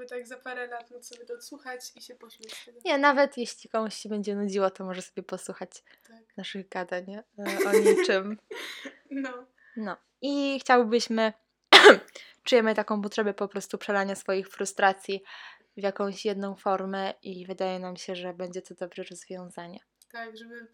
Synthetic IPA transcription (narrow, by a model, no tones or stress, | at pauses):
bɨt̪aɡzapaɾɛlat̪ɔt̪sɔbʲɛt̪ɔt̪swuxat͡ɕiɕɛpɔɕlʲɛɛɲɛnavɛt̪jeɕlʲikɔmuɕɕɛbɛɲd͡ʑɛnud͡ʑiwɔt̪ɔmɔʐɛsɔbʲjɛpɔswuxat͡ɕ | naʂɨɣɡad̪aɲɔɲit͡ʂɛm | nɔ | nɔ | ixt͡ɕawɘbɘɕmɘ | t͡ʂujɛmɘt̪akɔ̃w̃p̬ɔt̪ʂɛbɛpɔpɾɔst̪upʂɛlaɲasfɔjixfɾust̪ɾat̪sʲji | vjakɔ̃w̃ɕjɛd̪nɔ̃w̃fɔɾmɛʔivɘd̪ajɛnamɕɛʐɛbɛɲd͡ʑɛt̪ɔd̪ɔbɾɛɾɔzvʲjɔ̃w̃zaɲɛ | t̪aɡʐɛbɘ